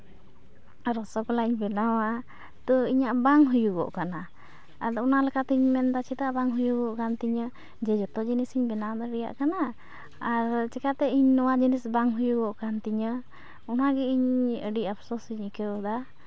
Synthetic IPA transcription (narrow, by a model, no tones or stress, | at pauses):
ɾɔsɔkɔlaiɲbɛnawaʔ | t̪ɔiɲaʔbaŋɦujuɡɔ̰ʔkana | ad̪ɔɔnalɛkat̪iɲmɛnd̪at͡ʃʰit̪aʔbaŋɦujuɡɔʔkant̪iɲə | d͡ʒɛd͡ʒɔt̪ɔd͡ʒinisiɲbɛnawad̪aɖija̰ʔkanaː | ɾt͡ʃɛkat̪ɛiɲnɔwad͡ʒinisbaŋɦujuɡɔʔkant̪iɲə | ɔnaɡɛiɲəɖiʔapʰsɔsiɲikɛɔd̪a